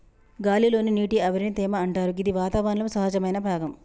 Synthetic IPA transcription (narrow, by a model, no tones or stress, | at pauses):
ɡaːlilo̞ːniniːʈiɐʋɐɾinit̪ɛːmɐɐɳʈaːɾuid̪iʋaːt̪aːʋɐnulɐmsɐɦɐd͡ʒɐmɐjnɐbʱaːɡɐm